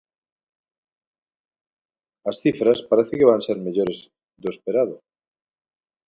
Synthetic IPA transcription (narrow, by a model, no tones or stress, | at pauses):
asθifɾaspaɾeθekeβanseɾmeʎoɾez | d̪ospeɾaðo